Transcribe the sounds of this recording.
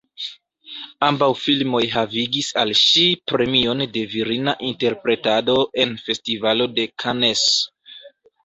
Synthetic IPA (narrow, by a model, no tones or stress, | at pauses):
ambawfilmo̞jɦaviɡisalʃipɾe̞mio̞nde̞viɾinaʔinte̞ɾpɾe̞tado̞ʔe̞nfe̞stivalo̞de̞kʰanes